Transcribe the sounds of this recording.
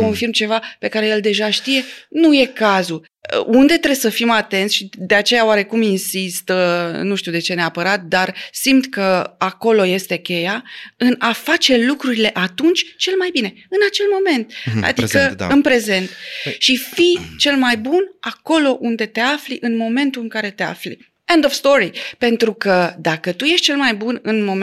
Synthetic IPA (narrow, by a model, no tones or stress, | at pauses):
ko̞nfirmt͡ʃe̞vape̞kaɾe̞je̞ld̪e̞ʒaʃt̪ije̞nuje̞kazṵ | und̪e̞t̪ɾe̞səfimat̪e̞nt̪sʃid̪e̞at͡ʃe̞jaoaɾe̞kuminsist̪ənuʃt̪iuwd̪e̞t͡ʃe̞ne̞apəɾat̪̚d̪arsimt̪kəako̞lo̞je̞st̪e̞kʲe̞jaɨnafat͡ʃe̞lukɾuɾile̞ʔat̪unt͡ʃʲt͡ʃe̞lmajbine̞ | ɨnat͡ʃe̞lmo̞me̞nt̪a̰d̪ikə̰ɨnpɾe̞ze̞nt̪ʃifit͡ʃe̞lmajbunako̞lo̞ʔund̪e̞t̪e̞afliʔɨnmo̞me̞nt̪ulɨŋkaɾe̞t̪e̞a̰flḭ | end̪ofst̪o̞ɾipe̞nt̪ɾukəd̪akət̪uje̞ʃt̪̚t͡ʃe̞lmajbunɨnmo̞m